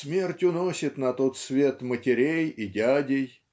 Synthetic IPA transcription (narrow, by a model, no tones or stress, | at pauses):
smʲe̞rtʲʊnosʲɪt̪nɐt̪ot̪svʲe̞t̪mətʲɪɾʲejidʲadʲɪj